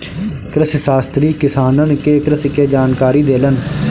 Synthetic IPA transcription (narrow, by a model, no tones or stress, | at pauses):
kɾəssaːst̪ɾiːkɪsaːnənkeːkɾəskeːd͡ʒaːnkaːɾiːd̪eːlən